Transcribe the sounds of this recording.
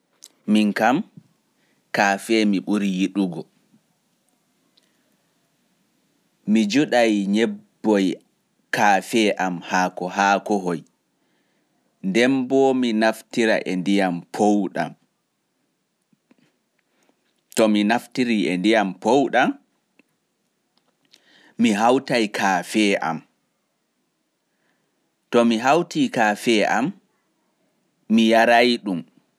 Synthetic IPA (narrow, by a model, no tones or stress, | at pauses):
miŋkam | kaːfɛmiɓuɾijiɗuɡɔ | mid͡ʒuɗajɲɛbbbːɔj | kaːfɛʔamhaːkɔɦaːkɔɦɔj | ndɛmbɔminaftiɾa̰ʔɛndijampʰowɗa̰m | tɔminaftiɾiʔɛndijampowɗam | iɦawtajkʰaːfɛːʔa̰m | tɔmiɦawtiːkaːfɛam | ijaɾajɗum